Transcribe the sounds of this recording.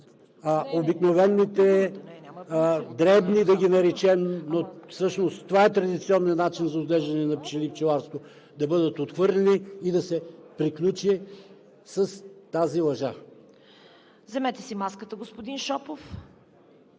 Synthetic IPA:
aobiknovɛnːit̪ɛ | d̪ɾɛbnid̪ɐɡʲinɐɾɛt͡ʃɛmnofsɤʃnost̪ːovaɛt̪ɾɐd̪it̪siɔnːiɐnːat͡ʃinzɐuzd̪lɛʒd̪ɐnɛnɐpt͡ʃilipt͡ʃɛlˠaɾst̪vo | d̪ɐbɤd̪ət̪ot̪xvɤɾlɛniːd̪ɐsɛpɾiklʲut͡ʃi | sɐst̪azilˠɐʒa | zɛmɛt̪ɛ̥simaskət̪əɡospod̪inʃɔpof

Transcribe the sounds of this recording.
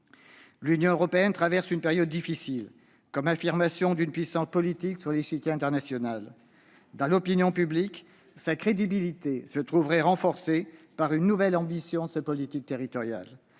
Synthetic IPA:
lynjɔ̃øʁɔpeɛnt̪χavɛʁsynpeʁjɔd̪ːifisil | kɔmafiʁmasjɔ̃d̪ynpɥisɑ̃spɔlit̪iksyʁleʃik̪ʲɛ̃t̪ɛʁnasjɔnal | d̪ɑ̃lɔpinjɔ̃pyblik | sakχed̪ibilit̪esət̪χuvʁɛʁɑ̃fɔʁsepaʁynːuvɛlɑ̃bisjɔ̃d̪əsepɔlit̪ik̚t̪eʁit̪ɔʁja̰l

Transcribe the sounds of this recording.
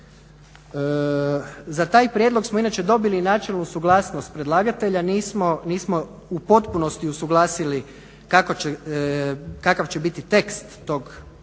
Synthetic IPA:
zat̪aːjpɾjed̪lˠo̞ɡsmoinat͡ʃe̞d̪o̞bilinaːt͡ʃelnusuɡlˠaːsnost̪̚pɾed̪lˠaːɡat̪e̞ʎaniːsmoniːsmo | upo̞t̪puno̞st̪iusuɡlˠaːsili | kakoe | kakaʋt͡ɕe̞bit̪it̪e̞kst̪ːo̞ɡ

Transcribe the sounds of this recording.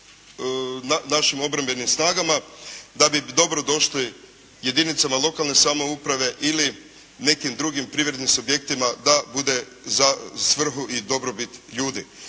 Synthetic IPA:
nanaʃimo̞bɾambe̞nimsnaːɡamad̪abid̪o̞bɾo̞d̪o̞ʃli | je̞d̪init̪samalˠo̞kalˠne̞samo̞upɾaʋe̞ʔili | ne̞kimd̪ɾuɡimpɾiʋɾe̞d̪nimsubje̞k̚t̪imad̪abud̪e̞ | zasʋr̩xuʔid̪o̞bɾobit̪ʎuːd̪i

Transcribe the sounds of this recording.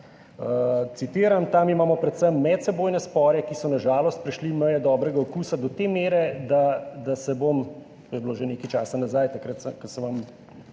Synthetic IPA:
ət̪sit̪iːɾamt̪amimaːmɔpɾɛt̪səmːɛt̪sɛboːjnɛspɔːɾjɛkisɔnaʒaːlɔst̪̚pɾɛʃliməjɛd̪ɔbɾɛɡaɔkuːsad̪ɔt̪eːmeːɾɛd̪ad̪asɛbom | t̪oːjɛbloːʒeneːkit͡ʃaːsanazajt̪akɾat̪sɛkɐsɛʋam

